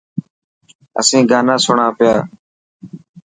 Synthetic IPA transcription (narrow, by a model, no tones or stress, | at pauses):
ə̰sĩːɡaːnãːsʊɳãːpɪjaː